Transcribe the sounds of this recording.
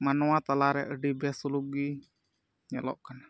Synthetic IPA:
manoat̪alaɾɛʔəɖibiasuluɡi | ɲəlɔ̰ʔkan

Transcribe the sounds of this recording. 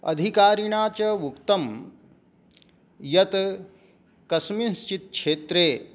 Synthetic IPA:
ɐ̰d̪ʱikaːɾiɳaːt͡ʃɐʋukt̪ɐm | jɐt̪ | kɐsminst͡ʃit̪̚kʂeːt̪ɾeː

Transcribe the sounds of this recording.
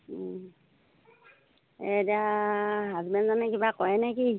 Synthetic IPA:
ediaɦazbɛnzanɛkibakɔjɛnɛki

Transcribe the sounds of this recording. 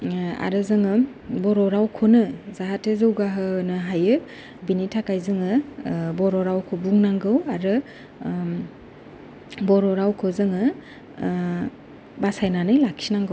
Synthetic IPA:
a̰ɾɯzɯŋɯ | bɔɾɔɾawkʰonɯzaɦatʰezɯwɡaɦɯnɯɦajɯ | binitʰakajzɯŋɯbɔɾɔɾawkʰobuŋnaŋɡɯwaɾɯ | bɔɾɔɾawkʰozɯŋɯ | basajnanɯjlakʰsinaŋɡɯw

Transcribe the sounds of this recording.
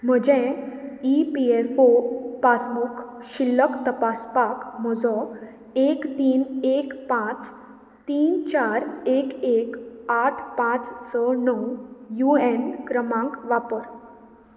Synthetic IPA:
m̤əd͡ʑɛ̃ipiefopasmukʰɕilːəkt̪əpaspakmɔd͡zɔ | ekt̪iːnekpãt͡s | t̪iːnt͡ɕaɾekekaʈʰpãt͡ssənəwjuenkɾəmãŋkʋapəɾ

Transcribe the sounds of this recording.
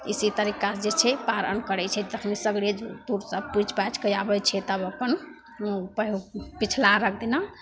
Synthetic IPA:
isit̪əɾikad͡ʒet͡ʃʰɛpaɾə̰nkəɾɛt͡ʃʰɛd̪əkʰmisəɡɽed͡ʒt̪uɾsəbput͡ʃpat͡ʃkəjabət͡ʃʰɛt̪əbəpən | pəɦpit͡ʃʰlaɾək̚ʰd̪ina

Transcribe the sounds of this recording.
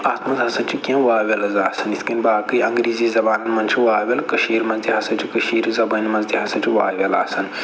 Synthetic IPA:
aːt̪mɐzɦɐsɐnt͡ʃʰikʲẽʋaːʋʲelɐzaːsɐnit̪ʰkɐnʲbaːkɨiɐ̃ŋɡɾiːziːzɐbaːnɐnmɐnt͡ʃʰiʋaːʋʲelkɐʃiːɾmɐnzt̪iɦɐsɐnt͡ʃʰikəʃiːɾzɐbɐnmɐnzt̪iɦɐsɐ̃nt͡ʃʰiʋa̰ːjʋʲela̰ːsɐn

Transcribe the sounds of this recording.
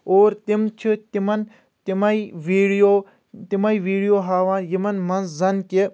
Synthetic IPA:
oːɾt̪imt͡ʃʰit̪imɐn | t̪imɐiʋiːɽijoː | t̪imɐjʋiːɽijoːɦaːʋaːnjimɐnmɐnzzɐnke

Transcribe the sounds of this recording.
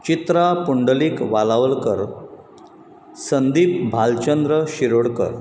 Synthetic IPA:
t͡ɕit̪ɾapuɳɖəliːkʋalaʋəlkəɾ | sənd̪iːp̚bʱalt͡ɕənd̪ɾəɕiɾoɽkə̰ɾ

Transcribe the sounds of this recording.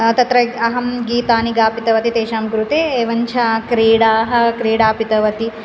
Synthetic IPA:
t̪ɐt̪ɾɐɐɦɐmɡiːt̪aːniɡaːpit̪ɐʋɐt̪it̪eːʃaːmɡɾut̪eːeːʋɐɲt͡ʃʰɐkɾiːɽaːɦɐ̆kɾiːɽaːpit̪ɐʋɐt̪i

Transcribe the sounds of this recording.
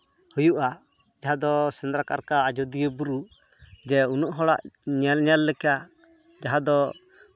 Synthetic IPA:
hujuʔa | d͡ʒaɦãd̪ɔsɛnd̪ɾaka̰ɾkaːd͡ʒɔd̪ijəbuɾu | d͡ʒɛunɔʔɦɔɽa̰ʔɲalɲalːɛka | d͡ʒaɦad̪ɔ

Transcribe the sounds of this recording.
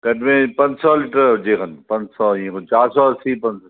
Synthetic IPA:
kɐʈmẽpɐ̃ɲd͡ʑsɔːlɪʈəɾd͡ʑeːkʰənpɐ̃ɲd͡ʑsɔĩkot͡ʃaːɾsɔɾsiːpɐ̃

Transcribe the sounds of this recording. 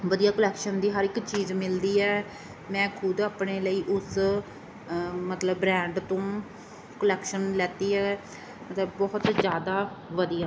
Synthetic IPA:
ʋəd̪ijaːkəlɛːkʃənd̪iːɦəɾɪkt͡ʃiːzmɪld̪iːɛː | mɛ̃ːkʰʊd̪aːpneːləiːʔʊs | mət̪ləbːɾɛ̃ːɳɖt̪õː | kəlɛːkʃənlɛːt̪iːɛː | mət̪ləbbɔːʊt̪zjaːd̪aːʋəd̪ijaː

